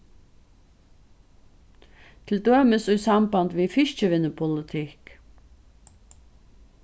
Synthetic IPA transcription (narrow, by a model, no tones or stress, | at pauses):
t̪ʰɪld̪øːməsʉʏsɑmbɑnd̪ʋiːfɪʃt͡ʃəʋɪnəpʰʊlɪt̪ʰɪk